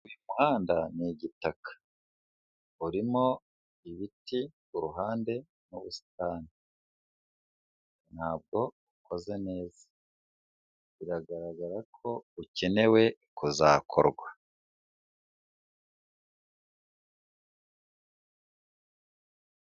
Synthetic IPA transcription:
wimuhaːndaniɟitakḁ | uɾimo̞ | iβiti | uɾuɦaːnde̞ | nuβusi̥taːni | nhaːb̚ɡo̞ukʰo̞ze̞ne̞ːz̥ḁ | βiɾaɡaɾaɡaɾakʰo̞uce̞ne̞we̞kuzaːkʰo̰ɾɡwa

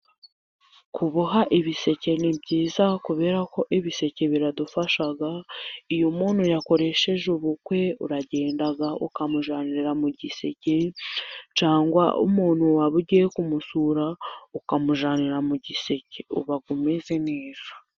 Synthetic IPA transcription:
kuβuɦaʔiβise̞ce̞nibɟiːzakuβe̞ːɾako̞ʔiβise̞ce̞βiɾadufaʃaɡaijomuːnhujako̞ɾe̞ʃe̞ʒuβukwe̞ṵɾaɟe̞ːndaɡaṵkamuʒaːniɾiɾamuɟise̞ce | t͡ʃaːŋɡwa̰ʔṵmuːn̥huwaβuɟijekumusuɾaukamuʒaːniɾamuɟise̞ceṵβaɡumeze̞neːz̥ḁ

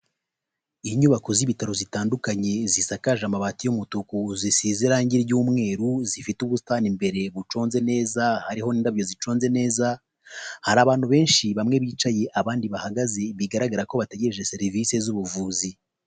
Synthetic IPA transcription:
iɲuβakoziβitaɾozitaːndukaɲe̞zisakaʒamaβatijumutukuzisiziɾaːɲɟiɾɟuːmŋe̞ːɾuzifituβustanimbe̞ɾe̞βut͡ʃo̞ːnze̞ne̞ːzahaɾiho̞niːndaβjo̞zit͡ʃo̞ːnze̞ne̞ːza | haɾaːβaːn̥huβe̞ːnʃiβamŋe̞βiːt͡ʃaje̞ʔaβaːndiβahaɡaze̞βiɡaɾaɡaɾako̞βate̞ɟe̞ɾe̞ʒe̞se̞ɾivise̞zuβuvuːzi

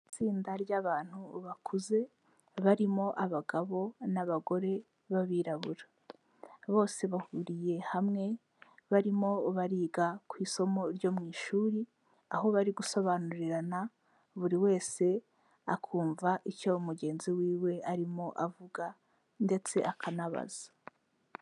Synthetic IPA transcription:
t͡siːndaɾɟaβaːn̥huβakʰuze̞ | βaɾimo̞ʔaβaɡaβo̞naβaɡo̞ɾe̞ | βaβiːɾaβuɾḁ | βo̞ːse̞βahuɾije̞hamŋe̞ | βaɾimo̞βaɾiːɡakwiːso̞mo̞ɾɟo̞ːmŋiːʃuːɾi | aɦo̞βaɾiɡuso̞βaːnuɾiɾana | βuɾiwe̞ːse̞ | a̰kʰuːɱvaʔicoumuɡe̞ːnziwiːwe̞ʔaɾimo̞ʔavuɡa | nde̞t͡se̞ʔakʰanaβa̰z̥ḁ

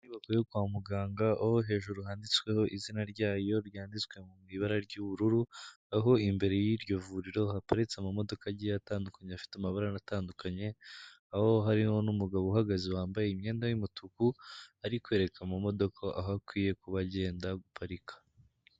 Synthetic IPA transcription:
niβakojokwaːmuɡaːŋɡaʔahoɦe̞ːʒuɾuɦaːndit͡swe̞ho̞ʔizinaɾɟaːjo̞ɾjaːndit͡swe̞mumŋiβaɾaɾɟuβuɾuɾu | aɦo̞imbe̞ɾe̞jiɾɟo̞vuɾiɾo̞hapaɾit͡seamamo̞do̞kaɟijataːndukaɲeafi̥tamaβaɾanataːndukʰaɲe̞ | aho̞ɦaɾiho̞numuɡaβohaɡaziwaːmbajeimɲe̞ːndajimutʰukuaɾikwe̞ːɾe̞kʰamumo̞do̞kʰaʔaɦakwiːje̞kuβaɟe̞ːndaɡupʰaɾikʰḁ

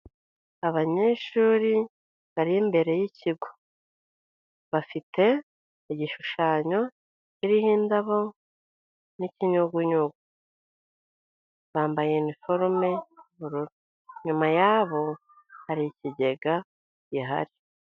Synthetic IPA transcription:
aβaɲe̞ʃuːɾi | βaɾimbe̞ɾe̞jiciɡo | βafite̞ | iɟiʃuʃaːɲo̞ | ciɾihiːndaβo | niciɲuɡuɲuɡu | βaːmbajenifo̞ɾme̞juβuɾuɾu | ɲumajaβo̞ | haɾiciɟe̞ɡa | ɟiɦa̰ɾi

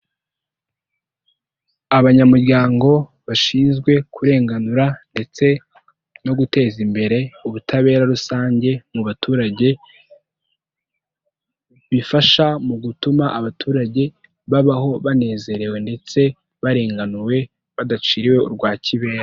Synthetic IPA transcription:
aβaɲamuɾɟaːŋɡo̞ | βaʃiːnzɡwe̞kʰuɾe̞ːŋɡanuɾande̞t͡se̞ | no̞ɡute̞ːzimbe̞ɾe̞uβutʰaβe̞ːɾaɾusaːɲɟe̞muβatuːɾaɟe̞ | βifaʃamuɡutumaʔaβatʰuːɾaɟe̞ | βaβaho̞βane̞ːze̞ɾe̞we̞nde̞t͡se̞ | βaɾe̞ːŋɡanuwe̞ | βadat͡ʃiːɾiwe̞ṵɾɡwaːciβe̞ːɾa

